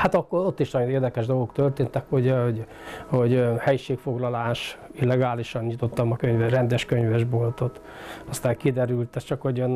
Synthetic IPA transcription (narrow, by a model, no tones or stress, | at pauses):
hat̪ɒkːoɾot̪ːiʃnɒjoeːrd̪ɛkɛʒd̪o̞lɡo̞kt̪ørt̪eːnt̪ɛkhoɟhoɟ | ho̞ɟhɛjiʃeːkfo̞ɡlɒlaːʃilːɛɡaːliʃɒnɲit̪o̞t̪ːɒmɒkøɲvɛrɛnd̪ɛʃkøɲvɛʒbo̞lt̪o̞t̪ | ɒst̪aːŋkid̪ɛɾylt̪ɛt͡ʃɒkhoɟøn